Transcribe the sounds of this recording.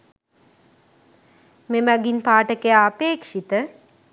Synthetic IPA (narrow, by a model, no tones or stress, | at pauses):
memæɡinpaːʈəkejaːpeːkʂit̪ə